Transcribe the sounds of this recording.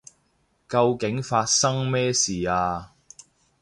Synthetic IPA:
kɐ˧wkɪ˨˥ŋfaː˧t̚sɐ˥ŋmɛː˥siː˨˩aː˧

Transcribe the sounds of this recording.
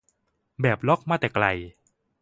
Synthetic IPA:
bɛː˨˩p̚lɔ˦˥˩k̚maː˥˩t̪ɛː˨˩kla˧j

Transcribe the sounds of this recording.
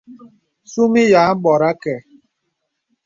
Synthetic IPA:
su˦mi˦ja˨˦m̩˦bɔ˨ɾa˦kɛ˨

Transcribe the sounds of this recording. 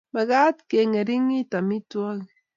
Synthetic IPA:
ma˨ɣa˦tke˨ŋɛ˨ɾi˦ŋi˦ta˨mi˦twɔ˦k

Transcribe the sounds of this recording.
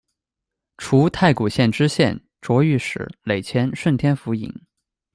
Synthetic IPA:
ʈ͡ʂʰu˧˥t̪ʰa˥˩ɪku˨˩ɕjɛ˥˩nʈ͡ʂɻ̩˥ɕjɛ̰˥˩n | ʈ͡ʂwɔ˧˥y˥˩ʂɻ̩̰˨˧˩le˨˩ɪt͡ɕʰjɛ˧˥nʂwə˥˩nt̪ʰjɛ˥nfu˧˥ḭ˨˩˦ŋ

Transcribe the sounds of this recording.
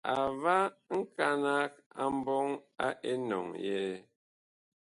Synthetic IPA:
a˨va˦ŋ̩˦ka˦na˦k̚a˨m̩˦bɔ˦ŋa˦ʔe˦nɔ̰˨ŋjɛ˦

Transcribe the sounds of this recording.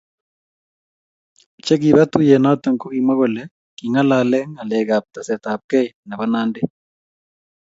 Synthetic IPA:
t͡ʃɛ˦ɣi˨βa˦tu˦jɛ˨na˦ta˨ŋko˦ɣi˨ma˦ɣɔ˨lɛ˦ | ki˨ŋa˦la˨lɛ˦ŋa˨lɛ˨ɣa˨p̚ta˨sɛ˨ta˨p̚kɛ˦jna˨βa˦naː˦nde˦

